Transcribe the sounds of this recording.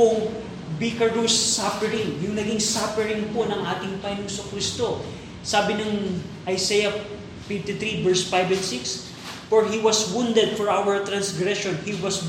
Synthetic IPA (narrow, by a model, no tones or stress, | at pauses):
poŋ | bikɐɹd̪usːapɛɾɪŋjʊŋnɐɡɪŋsapɛɹɪŋponɐŋʔaːt̪ɪŋpɐŋɪnoŋsokɾist̪o̞ | saːbɪnɐŋ | ʔɐjsɛjɐ | fɪft̪ɪt̪ɾibɛɹsfajbɛ̃nsiks | fɔɹhiwɐswũnd̪ɛd̪̚fɔɹʔawɛɹt̪ɾɐnsɡɾɛʃonhiwɐs